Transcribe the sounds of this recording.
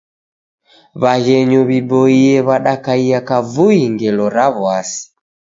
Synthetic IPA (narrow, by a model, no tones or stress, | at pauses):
βaɣɛɲɔβibɔiɛβaɗakaiakavuiŋɡɛlɔɾaβwasi̥